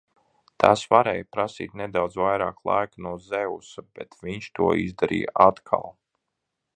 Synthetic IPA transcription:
t̪ʰasvaɾɛːjpɾasḭːt̪nɛd̪awd̪zvajɾa̰ːklˠa̰jkanuɔzɛwsabɛt̪viɲʃt̪uɔizd̪aɾḭːjə̰ʔat̪kʰa̰lˠ

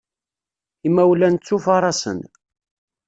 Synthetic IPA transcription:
imæwlænt͡sːufɑɾˤɑsə̰n

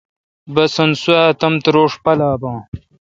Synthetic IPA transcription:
bɐsɐnsuaːt̪ɐmt̪ɾoːʂpɐlaːbãː

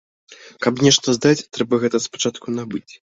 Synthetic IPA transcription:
kɐpnʲɛʂt̪ɐzd̪at͡sʲt̪ɾɛbɐɣɛt̪ɐspḁt͡ʂat̪kunabɨt͡sʲ

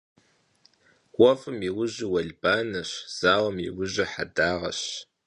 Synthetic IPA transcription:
wɔfɨmiwʊʑɪwɐɮbaːnɐɕz̥aːwɐmjḭwʊʑɪħadaːʁɐ̰ɕ

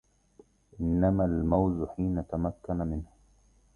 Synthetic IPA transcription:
ʔɪnːamalmawzħiːnat̪amakːanamɪnh

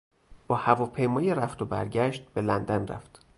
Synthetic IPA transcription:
b̥ɒːhævɒːpʰejmɒːjeɾæft̪ʰobæ̰ɾɟæʃt̪̚b̥e̞lænd̪ænræ̰ft̪

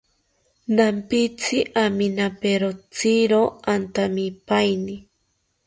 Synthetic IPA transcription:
nampit͡sʰiʔaminapeɾot͡siɾoant̪amipajni

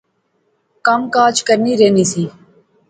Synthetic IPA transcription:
kəmkaːt͡ʃkəɾniːɾeːniːsiː

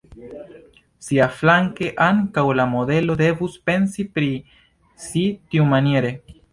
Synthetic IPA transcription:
siaflaŋke̞ʔaŋkawlamode̞lo̞d̪e̞vuspe̞nsipɾi | sit̪iumanjeɾe̞

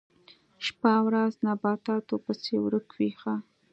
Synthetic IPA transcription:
ʃpawɾaznabɑt̪ɑt̪opəsewɾəkwixa

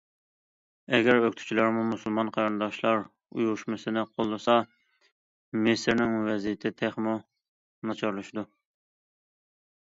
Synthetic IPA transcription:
ɛɡʲæɾøkʲt̪ʰu̥t͡ʃʰilˠɑɾmumusɨlˠmɑnqʰɑɾɨnd̪ɑʃlˠɑɾ | ṵjuʃmɨsɨnɪqʰolˠːɨsɑ | mɪsɪɾnɪŋwɛzijɪt̪ʰɪt̪ʰɛχmu | nɑt͡ʃʰɑɾlˠuʃd̪u

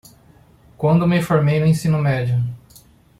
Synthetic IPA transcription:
kwɐ̃nd̪ʊmɪfoɾmejnʊẽsĩnʊmɛd͡ʒiʊ

